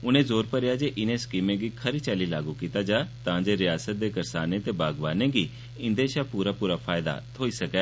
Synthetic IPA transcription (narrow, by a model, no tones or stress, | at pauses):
ʊnẽzoːɾpəɾɪjad͡ʒeʔɪnẽskiːmẽɡiːkʰɐɾit͡ʃaːlilaːɡukiːt̪ad͡ʒaːt̪ãːd͡ʒeɾɪjaːsət̪̚d̪eːkɐɾsaːnẽt̪ebaːɡʋaːnẽɡi | ɪ̃nd̪eʃapuːɾapuːɾapʰaːjd̪a̰t̪ʰoːisɐkɛ